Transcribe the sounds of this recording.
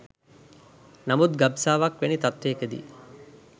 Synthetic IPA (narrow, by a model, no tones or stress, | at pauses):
namut̪ɡabsaːʋɐkʋenit̪at̪ɾeːkəd̪ḭ